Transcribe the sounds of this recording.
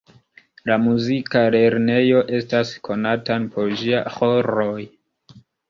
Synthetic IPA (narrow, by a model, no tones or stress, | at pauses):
lamuzikale̞ɾne̞jo̞ʔe̞staskʰo̞natanpʰo̞ɾʒiaxoɾoj